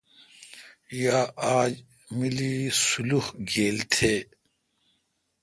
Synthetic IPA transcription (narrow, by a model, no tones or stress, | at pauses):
jaːaːd͡ʑ | milisuluhɡeːlt̪ʰeː